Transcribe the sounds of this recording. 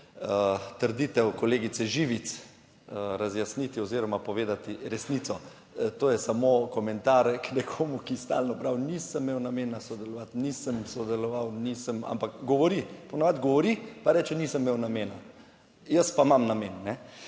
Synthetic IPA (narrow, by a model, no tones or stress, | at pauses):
ət̪əɾd̪it̪ɛwkɔleːɡit̪sɛʒiʋit̪s | ɾazjasnit̪iɔziɾɔmapɔʋeːd̪at̪iɾɛsniːt̪sɔ | t̪oːjɛsamokɔmɛnt̪aːɾknɛkʰomukist̪a̰lnɔpɾawnisəmːewnameːnasɔd̪ɛlɔʋat̪nisəmsɔd̪ɛlɔʋawnisəma̰mpakɡɔʋɔɾipɔnaʋad̪ɡɔʋɔɾipaɾɛːt͡ʃɛnisəmːewnameːna | jəspamamnamenːɛ